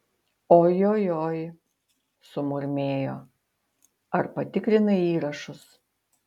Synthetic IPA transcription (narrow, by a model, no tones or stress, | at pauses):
oːjoːjoːj | sʊmʊɾʲmʲeːjoː | ɐɾpɐt̪ʲɪkɾʲɪnɐiːɾɐʃʊs